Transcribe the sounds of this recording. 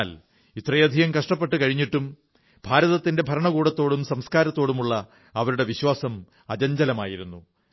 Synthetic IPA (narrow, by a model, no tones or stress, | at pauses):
l | it̪rɐjɐd̪ʱijɐmkɐʂʈɐpːe̞ʈːɨkɐɻiɲːiʈːum | b̥ʱaːɾɐðɐt̪ːinde̞bʱɐɾɐɳɐkuːɽɐt̪ːo̞ːɽumsɐmskaːɾɐt̪ːo̞ːɽumuɭːɐ | ɐʋɐɾuɽe̞ʋiɕwaːsɐm | ɐd͡ʑɐɲd͡ʑɐlɐmaːjiɾunːu